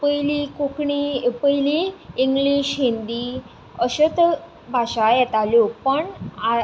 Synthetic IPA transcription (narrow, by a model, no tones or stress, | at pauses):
pəjlikukɳipəjliiŋɡliɕɦind̪i | əɕət̪ | bʱaɕajɛt̪aljopəɳa